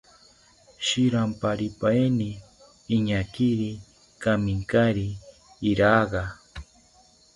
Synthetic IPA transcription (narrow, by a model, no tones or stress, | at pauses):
ʃiɾampaɾipajniː | ɲakiɾi | kamiŋkaɾiː | ɾaːɢɑ